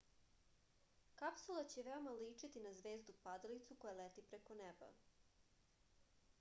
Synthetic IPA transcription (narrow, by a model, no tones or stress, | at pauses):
kapsulˠat͡ɕeʋeo̞maliːt͡ʂit̪inazʋe̞ːzd̪upad̪alit̪suko̞jalet̪ipɾekoneba̰